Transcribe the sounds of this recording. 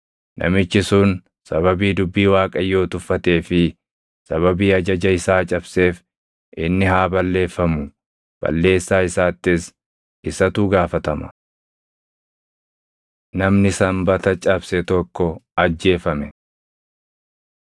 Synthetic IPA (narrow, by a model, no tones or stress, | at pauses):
nʔɐ̰mɪt͡ʃːɪsun | sɐβɐbiːd̪ʊbːiːwaːkʼɐjːo̞ːt̪ʊfːɐt̪e̞ːfɪ | sɐβɐbiːɐd͡ʒɐd͡ʒɐɪsaːt͡ʃʼɐbse̞ːf | ʔɪnːɪɦaːbɐlːe̞ːfːɐmʊ | b̥ɐ̰lːe̞ːsːaːɪsaːt̪ːɪs | ɪsɐt̪uːɡaːfɐt̪ɐmɐ̥̰ | nɐmnɪsɐmbɐt̪ɐt͡ʃʼɐbsɛt̪ɔkːɔɐd͡ʒːe̞ːfɐmɛ